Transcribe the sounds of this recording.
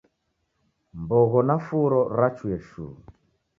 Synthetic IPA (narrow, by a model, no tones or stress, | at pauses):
mbɔɣɔnafuɾɔɾat͡ʃwɛʃṵː